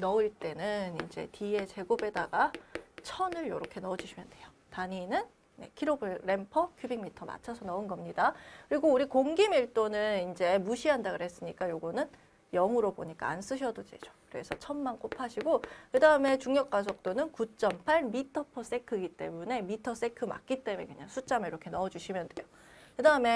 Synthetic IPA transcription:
nʌɯiɭt͈e̞nɯnind͡ʑe̞̰tʰie̞t͡ɕe̞ɡobe̞daɡat͡ɕʰʌnɯɭjʌɾʌkʰe̞nʌd͡ʑiɕʰimjʌnd̥we̞jo̥ | taɲinɯn | ne̞̰kʰiɾobɯɭɾe̞mpʰʌkʰjubiŋmitʰʌma̰t͡ɕʰʌsʰʌnʌɯnɡʌmɲidakɯɾiɡouɾikoŋɡimiɭt͈onɯnind͡ʑe̞muɕʰiɦandaɡɯɾɦe̞s͈ɯɲik͈ajoɡʌnɯn | jʌŋuɾoboɲik͈a̰ːns͈ɯɕʰʌdod͡ʑḛd͡ʑo̥kɯɾe̞̰sʰʌt͡ɕʰʌnmank͈opʰaɕʰiɡokɯdaɯme̞t͡ɕuŋɲjʌk͈as̬ʰʌk̚t͈onɯnkut͡ɕ͈ʌmpʰaɭmitʰʌpʰʌs͈e̞kʰɯɡit͈e̞̰mune̞mitʰʌs͈e̞kʰɯma̰k̚k͈it͈e̞me̞̰kɯɲa̰ŋsʰut͡ɕ͈ameiɾʌkʰe̞nʌʌd͡ʑuɕʰimjʌnd̥we̞jo | kɯdaɯme̞

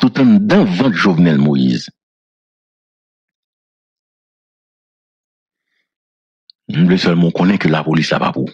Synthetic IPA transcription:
tut̪ãnd̪ãvãt̪ʒovnɛlmoḭz | m̩blesɛlmɔ̃kɔ̃nɛ̃kølapolisla̰pa̰pṵ

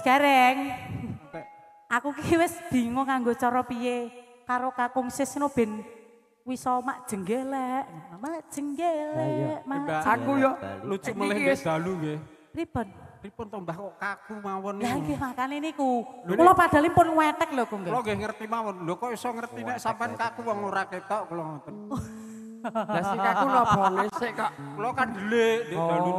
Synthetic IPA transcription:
skaɾɛŋkɛ | ʔakukiwɪsd̪̥i̤ŋɔkaŋɡot͡ʃɔɾɔpije | kaɾokakuŋsɪsnob̥ɛ̤n | wisɔmaʔd̥ʒ̥ə̤ŋɡelɛʔŋamaʔd̥ʒ̥ə̤ŋɡelɛʔmaaaŋkujɔlut͡ʃuʔməlɪhɡd̪̥a̤luŋɡe | ɾipʊnɾipʊnp̪əmbahkɔʔkakumawɔnlaŋɡehmakaninikukulɔpad̪̥a̤limpʊnŋwɛt̪ək̚lɔkuŋɡelɔŋɡehŋərt̪imawɔndɔkɔwisɔŋərt̪inɛʔsampankakuwɔŋoɾaket̪ɔʔkulɔŋat̪ə | d̥asikakulɔbalskaʔkulɔkad̪əleʔdedd̥alu

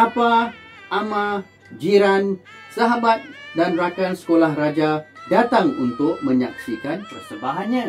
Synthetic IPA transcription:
apa | amã | d͡ʒiɾan | saɦabat̪̚danrakansə̥kolahrad͡ʒadat̪aŋṵnt̪ʊk̚mə̃ɲaksikanpərsəbaɦanɲã

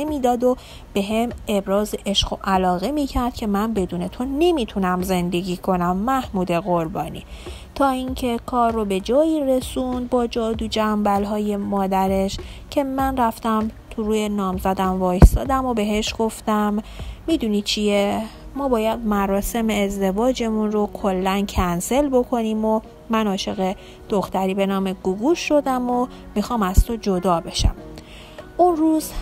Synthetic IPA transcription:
nemiːd̪ɒːd̪o̞ | b̥e̞ɦemebɾɒːzeʔeʃɢo̞ʔælɒːɣe̞miːcʰæɾd̪̥cʲʰe̞mænbe̞d̪uːne̞t̪ʰone̞miːt̪ʰunæmze̞nd̪e̞ɟʲiːkʰo̞næmːæhmuːd̪e̞ɣo̞ɾbɒːnḭː | t̪ʰɒːiŋcʰe̞kʰɒːɾːobe̞d͡ʒɒːjiːre̞sund̪̚bɒːd͡ʒɒːd̪ud͡ʒæmbælɦɒːje̞mɒːd̪æɾe̞ʃcʰe̞mænræft̪æmt̪ʰuɾuːjenɒːmzæd̪æmvɒːjst̪ɒ̰ːd̪æmobe̞ɦe̞ʃɡ̥o̞ft̪æmːiːd̪unit͡ʃʰiemɒːbɒːjæd̪̚mæɾɒːse̞meːzd̪e̞vɒːd͡ʒe̞munro̞kʰo̞lːæncʰænse̞lbo̞kʰo̞niːmo | mænɒːʃe̞ɣe | d̪̥oxt̪æɾiːbe̞nɒːme̞ɡ̥uɡuʃːo̞d̪æmo | mixɒːmæz̥t̪ʰod͡ʒod̪ɒːbe̞ʃæ̰m | ʔunruːz̥

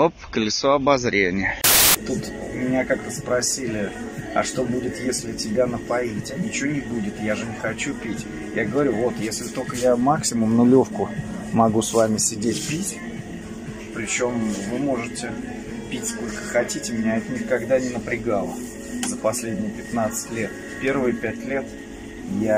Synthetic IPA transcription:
opkəlʲɪsoɐbɐzɾʲenʲɪjət̪ut̪ | mʲɪnʲakak̚t̪əspɾɐsʲilʲɪ | ɐ̰ʂt̪o̞budʲɪt̪jesʲlʲɪtʲɪbʲanəpɐitʲɪnʲɪt͡ɕɪvonʲɪbudʲɪt̪jaʐɨnʲɪxɐt͡ɕupʲitʲ | jaɡəvɐɾʲuvo̞t̪jesʲlʲɪt̪o̞lʲkəjamaksʲɪmʊmnʊlʲo̞fkʊmɐɡusvamʲɪsʲɪdʲetʲpʲitʲ | pɾʲɪt͡ɕo̞mvɨmo̞ʐɨtʲɪ | pʲitʲsko̞lʲkə̥xɐtʲitʲɪmʲɪnʲaɛt̪ənʲɪkɐɡd̪anʲɪnəpɾʲɪɡalˠə̰ | zəpɐsʲlʲedʲnʲɪjəpʲɪt̪nat̪sɨ̥tʲlʲe̞t̪ | pʲe̞rvɨjpʲætʲlʲe̞t̪ | ja

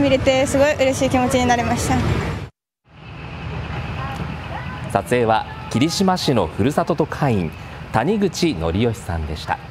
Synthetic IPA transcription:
mʲiɾe̞t̪e̞sɨɡo̞iʔɯ̟ɾe̞ɕiːkʲimo̞t͡ɕiɲ̟inaɾe̞maɕi̥t̪a | sat͡sɨe̞ːβakʲiɾʲiɕimaɕino̞ɸɯ̟ɾɯ̟sat̪o̞t̪o̞kʰaĩnt̪aɲ̟iɡɯ̟t͡ɕino̞̰ɾʲijo̞çi̥sã̰nd̪e̞ɕi̥t̪a̰

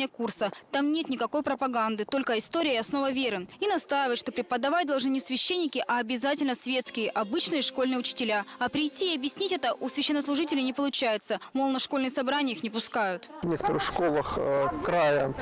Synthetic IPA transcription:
ɪjəkursət̪amnʲe̞t̪nʲɪkɐko̞jpɾəpɐɡand̪ɨt̪o̞lʲkəɪst̪o̞ɾʲɪəɪɐsno̞vəvʲe̞ɾɨinɐst̪ajɪvət̪ʂt̪o̞pɾʲɪpəd̪ɐvat̚ʲd̪ɐlˠʐnɨnʲɪsvʲɪɕːenʲːɪkʲɪʔɐɐbʲɪzatʲɪlʲnəsvʲe̞t̪skʲɪjəʔɐbɨt͡ɕnɨjəʂko̞lʲnɨjəʊt͡ɕɪ̥tʲɪlʲaɐpɾʲɪjtʲːiːɐbʲjɪsʲnʲitʲɛt̪əʔusvʲɪɕːɛnːəslˠʊʐɨtʲɪlʲɪnʲɪpəlˠʊt͡ɕajɪt̪səmolˠnəʂko̞lʲnɨjəsɐbɾanʲɪəjixnʲɪpʊskajʊt̪vnʲekə̥t̪əɾɨxʂko̞lˠəxkɾajə

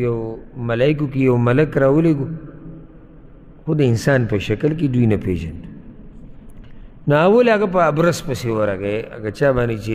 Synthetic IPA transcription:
jɐwmɐlaːikukijɐwmɐlɐkɾawoleɡu | xud̪ɐinsaːnpɐʃɐkɐlk̬id̪uinɐpḛːd͡ʒɐ̰nt̪ | nɐawolaɡɐp̬ɐːbɾɐspɐsiwɐɾaɡeɐ̰ɡɐt͡ʃaːbaːnit͡ʃe

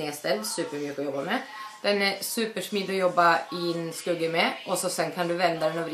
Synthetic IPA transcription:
eːst̪ɛd̪sʉːpəɾmjʉːkəɔjɔbːamɛd̪̥ɛnæsʉːpəʂmiːd̪ɔjɔbːaɪnskɵɡːəmɛʔɔsɔsɛnːkʰɑnd̪ɵvɛnd̪ad̪ɛnɔʋɾ

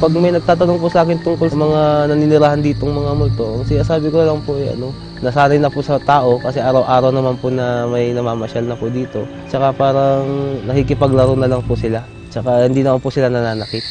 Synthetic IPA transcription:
pɐɡmɐjnɐɡ̚t̪aːt̪ɐnoŋpʊsɐʔaːkɪnt̪ʊŋkolsɐmɐŋanɐninɪɾaːhɐnd̪iːt̪oŋmɐŋamʊlt̪oʔŋsɪnaːsaːbɪkonɐlɐŋpoʔɐjʔɐ̰no̞ | nɐsaːnɐjnɐpʊsɐt̪aːʔo̞kɐsɛʔaɾɐwʔaːɾɐwnɐmanpʊnɐmɐjnɐmaːmɐʃalnɐpʊʔd̪iːt̪o̞ | t͡ʃɐkapaːɾɐŋnɐkikɪpɐɡlɐɾownɐlɐŋpʊsɪla | t͡ʃɐkahɪnd̪iːnɐmanpʊsɪlanɐnaːnɐkɪt̪̚

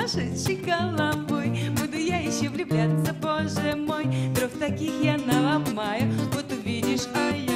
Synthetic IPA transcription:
aʂɨt͡ɕɪkalˠabojbud̪ʊjajɪɕːovlʲʊblʲat̪səpoʐɛmojd̪ɾoft̪ɐkʲixjanəlˠamajʊvot̪ʊvʲidʲɪʂaj

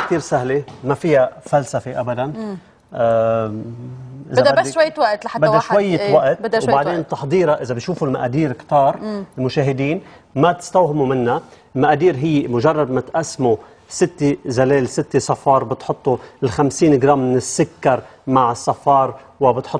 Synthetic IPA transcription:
k̚t̪iːɾsaɦlemafɪjːafalsafeʔabad̪an | ʔɪzd̪wajːwaʔt̪aabad̪ːaʃwajːɪwaʔt̪ːwbaʕd̪eːnt̪ˤɑħd̪ˤiːɾaʔɪzabiʃuːfulmaʔad̪iːɾɪkt̪ɑːɾˤɪlmʊʃaːɦɪd̪iːn | mat̪ɪ̥st̪awɦɪmumɪnːa | lmaʔaːd̪iːɾɦɪjːemʊʒɑrˤːɑd̪̚mat̪ʔasːmu | sɪt̪ːezaleːlsɪt̪ːesˤɑfɑːɾˤbɪt̪ħʊt̪ˤːulxamsiːnɡɾaːmːɪnɪsːakːɑɾˤmaʕɪsˤːɑfɑːɾˤ | wɪbɪt̪ħʊt̪ː

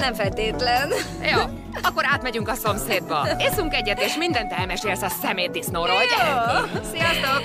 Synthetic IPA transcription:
nɛɱfɛlt̪eːt̪lɛn | joː | ɒkːo̞ɾaːt̪mɛɟyŋkɒso̞mseːd̪̚bɒeːsuŋkɛɟːɛt̪eːʃmind̪ɛnt̪ɛlmɛʃeːlsɒsɛmeːisnoɾoj | sijɒst̪ok

